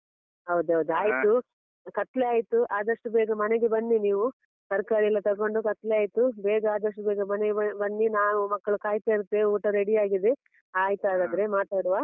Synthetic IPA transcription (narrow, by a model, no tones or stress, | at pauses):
ɦɐwd̪uɦɐwd̪uaːjt̪u | kɐt̪leaːjt̪uʔaːd̪ɐʂʈubɛːɡɐmɐneɡe̞bɐnːiniːʋu | sɐɾkaːɾilːɐt̪ɐɾko̞ɳɖukɐt̪leaːjt̪ubɛːɡɐaːd̪ɐʂʈubɛːɡɐmɐneɡɐbɐnːinaːʋumɐkːɐɭukaːjt̪aiɾut̪ːeuːʈɐɾeɽijaːɡid̪e | aːjt̪uaːd̪aːd̪ɐɾe̞maːt̪aːɽuʋaː